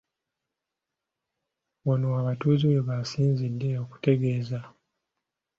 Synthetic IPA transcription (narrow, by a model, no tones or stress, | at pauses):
wonowaβatuːziweβasiːnzidːe̞o̞ku̥te̞ɡe̞ːza